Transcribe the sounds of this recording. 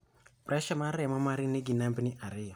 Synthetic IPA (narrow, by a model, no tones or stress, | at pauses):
pɾɛʃamaɾɛmamaɾiniɡinampiniʔaɾiɔ